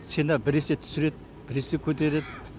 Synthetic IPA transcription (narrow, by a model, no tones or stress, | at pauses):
senɑbɪɾeset̪ʰʏ̥sɪɾe̞d̪̚ | b̥ɪɾesekʲʰɵt̪e̞ɾe̞d̪